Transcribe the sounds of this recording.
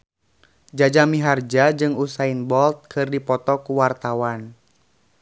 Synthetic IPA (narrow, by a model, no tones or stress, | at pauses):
d͡ʒad͡ʒamiɦard͡ʒad͡ʒɨŋusainbɔlt̪̚kʰɨrdipɔt̪ɔkuwart̪awan